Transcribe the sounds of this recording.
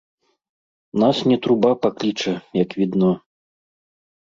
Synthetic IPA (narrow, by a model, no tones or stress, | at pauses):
nasnʲɛt̪ɾubapaklʲit͡ʂɐjɐkvʲid̪nɔ